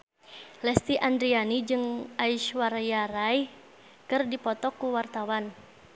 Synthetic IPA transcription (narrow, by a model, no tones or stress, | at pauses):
lɛst̪iʔand̪ɾianid͡ʒɨŋʔaiʃwaɾajaɾaj | kɨrdipɔt̪ɔkːuwart̪awan